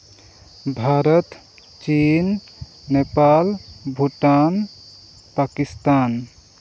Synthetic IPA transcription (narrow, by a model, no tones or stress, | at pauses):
bʱaɾət̪ | t͡ʃinːepalbʱuʈan | pakist̪an